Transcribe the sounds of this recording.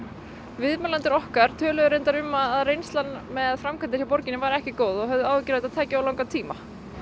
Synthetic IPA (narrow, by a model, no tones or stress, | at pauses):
vɪðmalant̪ɪɾɔhkaɾ̥t̪ʰœːlœðʏɾejnt̪aɾʏmːaðaðrejnst̪lanːmɛðfɾamkʰant̪ɪ̥ɾ̥çawpɔɾcɪnɪvaɾɛhcɪkoːwðɔɣɦœvðʏaːwvɪcɪɾaðt̪aðt̪ʰɛːcɪawlawŋkat̪ʰiːma